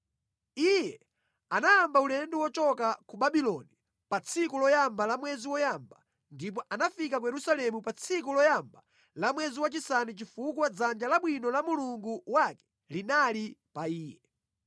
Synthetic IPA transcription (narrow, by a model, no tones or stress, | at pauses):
ijɛ | anaːmbaulɛndɛwɔt͡ʃɔkakuɓaɓilɔni | pat͡sʰikulɔjambalamwɛziwɔjamba | ndip̬ɔʔanafikakujɛɾusalɛmupat͡sʰikulɔjamba | lamwɛziwat͡ʃisanit͡ʃifukwad͡zand͡ʒalaɓwinɔlamuluŋɡuwakɛ̥ | linalipaiːjɛ